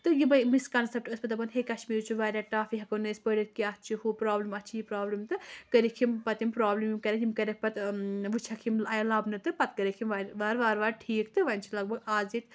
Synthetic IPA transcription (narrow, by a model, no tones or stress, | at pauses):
t̪ɨjibɐmiskɐnsɐp̚ʈɐspɨt̪ɐbɐnɦekɐʃmiːɾt͡ʃʰuʋaːɾʲaːʈaːfiɦɐkonɨːsʲpəɽɐt̪̚kiaːt̪̚ʰt͡ʃʰihupɾaːblimɐt̪t͡ʃʰijipɾaːblimt̪ɨkɐɾikʰimpɐt̪impɾaːblimimkɐɾʲɐkimkɐɾʲɐk̚ʰpɐt̪ʋɨt͡ʃʰɐkʰimlɐjlɐbnɨt̪ɨpɐt̪kɐɾekʰimʋaɾʋaːɾʋaːɾʋaːɾʈʰiːkt̪ɨʋɐnʲt͡ʃʰilɐɡ̚bɐɡaːzit̪